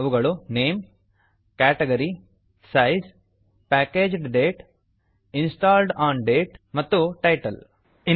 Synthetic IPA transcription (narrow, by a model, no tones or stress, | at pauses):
ʋuɡɐɭuneːm | kæːʈeɡɐɾi | sɐjs | pæːkeːd͡ʒɖɖeːʈ | insʈaːlɖaːnɖeːʈmɐt̪ːuʈɐjʈɐl | i